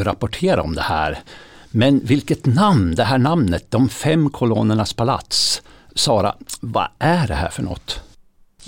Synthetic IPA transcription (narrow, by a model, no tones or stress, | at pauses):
ɾapʊʈʰeːɾa̰ɔmd̪ɛhæ̰ːɾ | mɛnvɪlkət̪namnd̪ɛɦæːɳamnət̪̚d̪ɔmfɛmːkʰʊlo̰ːnəɳaspʰala̰t̪s | sɑːɾa̰va̰ʔæɖɛhæ̰ːɾfœɳɔ̰t̪ː